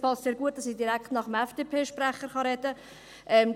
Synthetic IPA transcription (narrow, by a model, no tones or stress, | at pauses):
pɑstseːɐɾɡuət̚d̥ɑsid̥iɾækχtnɑχəmɛfd̥eːpʰeːʃpræχəɾχɑɾɛdə | ʔɛmd